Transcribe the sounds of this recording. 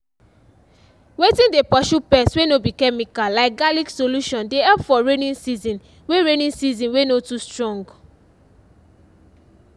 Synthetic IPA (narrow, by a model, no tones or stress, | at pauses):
wetĩndepɔʃupɛswenobikɛmikallaɪkɡaliksoluʃɔ̃ndeɛpfɔɹenĩnsizĩn | weɹenĩnsizĩnwenotustɹɔ̃ŋɡ